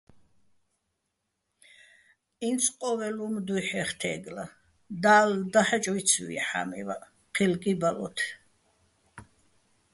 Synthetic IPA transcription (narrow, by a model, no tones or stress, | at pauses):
insʰqʼɔvɛlumd̪ujħɛχt̪ʰɛ̰ːɡla | d̪aːld̪aħɛt͡ʃʼwit̪sʰvḭħa̰mḭva | qʰilkʼibalɔ̰t̪ʰ